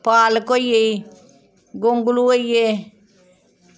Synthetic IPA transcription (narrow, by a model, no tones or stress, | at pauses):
paːlkoiei | ɡʊŋɡluoieː